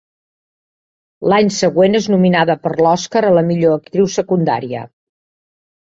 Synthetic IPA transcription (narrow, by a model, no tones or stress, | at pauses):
laɲsəɣweneznuminaðəpəɾlɔskəɾələmiʎoək̚t̪ɾiwsəkund̪a̰ɾiə̰